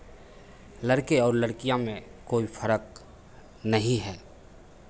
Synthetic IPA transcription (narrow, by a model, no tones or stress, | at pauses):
lɐɽkeɔːɾləɽkijãmẽkoːifʰəɾək̚ | nɐɦĩɦɛː